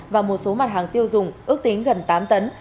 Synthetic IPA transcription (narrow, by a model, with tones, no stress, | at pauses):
vaː˨˩mo˨˩t̚so˨˦ma˨˩t̚ɦaː˨˩ŋt̪i˧əwzʊ˨˩ŋ͡mʔɨ˦˥ək̚t̪i˨˦ŋɣə˨˩nt̪aː˨˦mt̪ə˨˦n